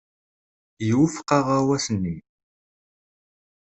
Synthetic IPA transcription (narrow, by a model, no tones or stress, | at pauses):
jwəfqɑʁawæsnːi